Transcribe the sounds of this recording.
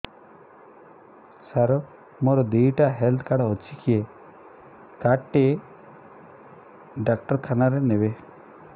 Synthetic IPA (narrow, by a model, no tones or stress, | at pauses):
saɾɔ | moɾɔd̪ijʈaɦɛlt̪ʰkaɽɦɔt͡ʃʰikie | kaʈːe | ɖak̚ʈəɾkʰanaɾenebe